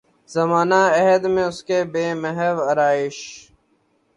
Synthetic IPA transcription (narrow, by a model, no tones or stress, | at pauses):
zɐmaːnaɐɦəd̪mẽʊskeːbeːməɦəʋɐɾaːɪʃ